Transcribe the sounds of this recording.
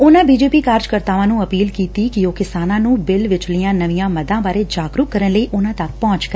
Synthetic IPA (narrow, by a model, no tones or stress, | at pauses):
ʊnãːbiːd͡ʒeːpiːkaːɾd͡ʒkəɾt̪aːʋãːnũːəpiːlkiːt̪ikioːkɪsaːnãːnũːbɪlʋɪt͡ʃlijãːnəʋijãːməd̪ãːbaːɾed͡ʒaːɡɾukːəɾənləiːʔʊnãːt̪ək̚pɔ̃ːɲt͡ʃkəɾ